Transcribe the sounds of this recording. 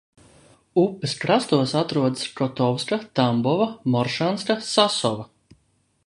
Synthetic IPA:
upːɨskɾast̪uɔsat̪ɾuɔd̪ɨskɔt̪ɔwskat̪ambɔvamɔɾʃanskasasɔva

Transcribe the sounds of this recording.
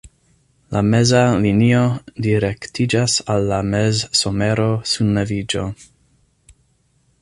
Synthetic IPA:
lame̞zalinio̞diɾektid͡ʒasalːamezso̞me̞ɾo̞sunevid͡ʒo̞̰

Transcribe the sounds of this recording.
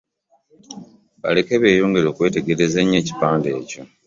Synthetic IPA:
βa̰le̞ke̞βe̞ːjoːŋɡeɾo̞ːkwe̞ːte̞ɡe̞ɾe̞zeɲːeːci̥paːnde̞ːco̞

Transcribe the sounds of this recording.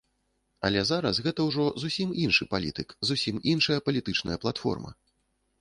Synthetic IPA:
ɐ̰lʲɛzaɾɐsɣɛt̪ɐwʐɔzusʲiminʂɨpalʲit̪ɨkzusʲiminʂɐjɐpɐlʲit̪ɨt͡ʂnɐ̰jɐplˠat̪fɔ̰rmɐ̰

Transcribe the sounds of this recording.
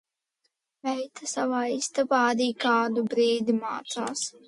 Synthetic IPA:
vɛjt̪ʰasavaːist̪abaaɾiːkaːd̪ubɾiːd̪imaːt̪saːs

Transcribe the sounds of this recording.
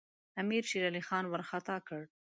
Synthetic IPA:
amiɾʃiɾalixɑnwəɾxat̪ɑkəɽ

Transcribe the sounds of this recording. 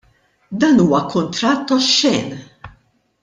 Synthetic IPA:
d̪ɐːnuːwɐkʊnt̪ɾɐt̪ːɔʃːɛːn

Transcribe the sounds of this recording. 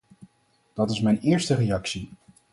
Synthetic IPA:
d̥ɑtɪsmɛjnɪːɹstərejɑksi

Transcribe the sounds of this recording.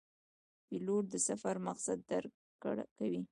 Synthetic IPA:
piloʈ̚d̪əsafaɾmaqsad̪ːaɾ | kawi

